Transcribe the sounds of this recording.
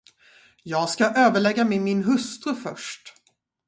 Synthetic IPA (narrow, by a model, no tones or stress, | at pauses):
jɑːɡskaʔøːvəɭɛɡːamɛmɪnɦɵst̪ɾəfœ̰ʂʈ